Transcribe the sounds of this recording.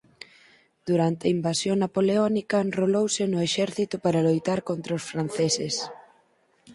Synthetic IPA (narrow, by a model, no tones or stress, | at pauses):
d̪̥uɾant̪eɐimbasjoŋnapoleɔnikɐnrolowsenʊeʃɛɾθit̪ʊpaɾalojt̪aɾkont̪ɾaʊsfɾanθeses